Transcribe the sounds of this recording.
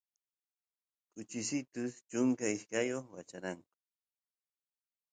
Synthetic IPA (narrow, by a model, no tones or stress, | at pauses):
kʊt͡ʃɪsɪt̪ʊst͡ʃʊŋkaɪʃkajoχwat͡ʃaɾɑɴqʊ̥